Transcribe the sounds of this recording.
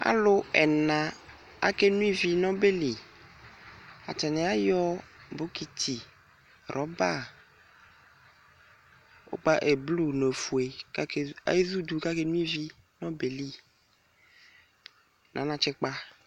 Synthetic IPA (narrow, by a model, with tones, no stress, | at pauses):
a̰˦lo˦ɛ˨nã˨ | a̰˦ke˦nũ˦i˦vi˦nɔ̃˦be˦li˨ | a̰˨tɛ˨nɛ̃˨a˦jɔ˦bo˦ki˦t̪ʰi˨ | ɾʔɔ˨˦ba˦˨ | o̰˦k͡pa˦ʔe˨blu˦ne˨fu˨e˨ka˦ke˦a̰˦e˦zu˦d̪u˦ka˦ke˦nũ˦i˦vi˦ | nɔ̃˦be˨li˦˨ | nʔã̰˨˦nã˨t͡ʃɛ˦k͡pa˦